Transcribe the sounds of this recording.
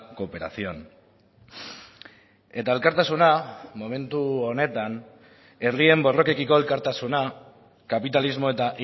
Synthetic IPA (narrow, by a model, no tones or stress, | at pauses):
ko̞pe̞ɾa̰sio̞n | e̞t̪ae̞lkaɾt̪asunamo̞me̞nt̪uo̞ne̞t̪an | e̞rie̞mbo̞ro̞ke̞kiko̞e̞lkaɾt̪asuna | kapit̪alizmo̞e̞t̪aʔi